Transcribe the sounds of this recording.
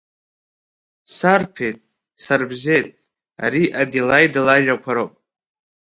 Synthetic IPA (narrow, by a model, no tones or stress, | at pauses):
sarpʰejtʼ | sarbze̞jtʼ | a̰ɾiʔadelajdalaʒakʷʰaɾopʼ